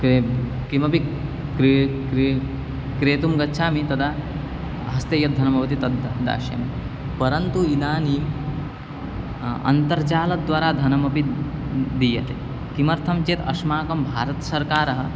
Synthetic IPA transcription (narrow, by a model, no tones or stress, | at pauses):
ke | kimɐpi | kɾ | ɾ | kɾeːt̪umɡɐtːʃʰaːmit̪ɐt̪ʰaː | ɦɐst̪ejɐt̪̚d̪ʱɐnɐbʱɐʋɐt̪it̪ɐd̪d̪a̰ːʃjɐ̰mi | pɐɾɐnt̪uinaːni | ɐ̰nt̪ɐɾt͡ʃaːlɐd̪ʋaːɾaːd̪ʱɐnɐmɐpi | d̪ijɐ̰t̪eː | kimɐɾt̪ʰɐmt͡ʃeːt̪ɐʂmaːkɐmbʱaːɾɐt̪ɐsɐɾkaːɾɐɦɐ̆